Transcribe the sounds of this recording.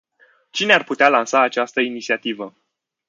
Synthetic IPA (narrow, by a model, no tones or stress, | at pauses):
t͡ʃinearput̪ealansaːt͡ʃast̪əinit̪siat̪ivə